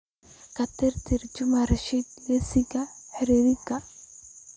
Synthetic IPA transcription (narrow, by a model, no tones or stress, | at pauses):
kʰɐt̪ʰɪrt̪ʰɪrt͡ʃʊmɐrɐʃid̪lɛsɪɡɐħɪɾiːɾɪkʰɐ